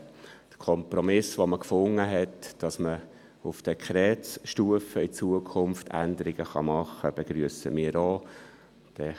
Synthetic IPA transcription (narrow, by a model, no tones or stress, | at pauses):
d̥əkʰɔmpɾɔmɪsʋoməkfʊŋːəɦɛtd̥ɑsmə | ufd̥ɛkχɾɛːsʃtuəfəit͡suəkʰʊmftʰæ̰nd̪əɾɪɡ̥əχɑ̰mɑχːəb̥ɛɡ̥ɾyəsə̰miːɾo | d̥ɛ